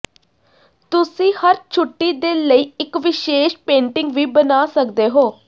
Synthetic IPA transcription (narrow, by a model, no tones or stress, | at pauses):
t̪ʊsĩːhəɾt͡ʃʰʊʈːiːd̪eːləiːɪkʋɪʃeːʃpẽːɳʈɪŋɡʋiːbənaːsəkd̪eːɦoː